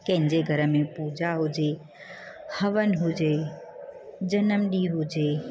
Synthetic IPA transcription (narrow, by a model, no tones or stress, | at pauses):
kə̃ɪ̃ɲd͡ʒeɡʱəɾəmẽpuːd͡ʒaɦʊd͡ʒe | həʋənɦud͡ʒe | d͡ʒənəmɗiɦud͡ʒeː